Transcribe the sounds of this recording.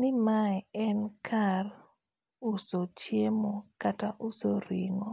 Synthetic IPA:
nɪmaɛɛnkʰar | ʊsot͡ʃjemokataʔʊsoɾiŋo

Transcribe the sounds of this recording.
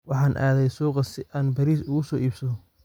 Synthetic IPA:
wɑħɑːnʔa̰ːðɛjsuːqɐsɪʔaːnbɐɾiːsʊɣʊsɔːiːbsɐðɔ

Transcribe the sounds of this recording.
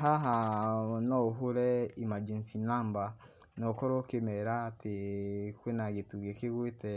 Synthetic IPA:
ɦaɦanɔɦoɾɛimad͡ʒinsinamba | nɔkɔɾokemɛɾatekwenaɣetuɣekeɣwetɛ

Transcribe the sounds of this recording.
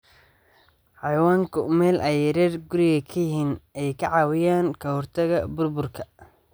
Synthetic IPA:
ħɑjwaːŋkʰʊmɛːlʔɛjɛɾɛːrɡʊɾɪɣɐkʰɐjɪɦiːnɛjkʰɐʕɑːwɪjaːnkʰɐhɔrt̪ʰɐɣɐbʊrbʊrkʰɐ

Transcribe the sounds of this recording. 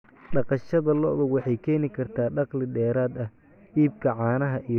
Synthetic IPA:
ɖɑqɑʃɐðɐlɔðɐwɑħɑjkʰɛːnɪkʰɐrt̪ʰaːɖɑqlɪdɛːɾaːd̪ɐh | iːb̚kʰɐʕɑːnɐɦɐʔij

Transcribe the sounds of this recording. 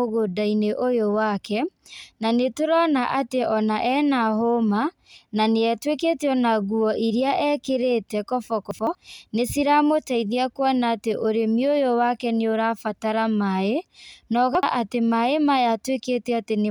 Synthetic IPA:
oɣodaineʔojowakɛnanetoɾɔnaʔateʔɔnaʔɛnaɦoma | naneɛtweketeɔnaɣuɔʔiɾiaʔɛkeɾetɛkɔfɔkɔfɔnesiɾamotaiðiakwanaːteʔoɾemiojowakɛneoɾafataɾamaenɔɣaʔatemaemajatweketɛatene

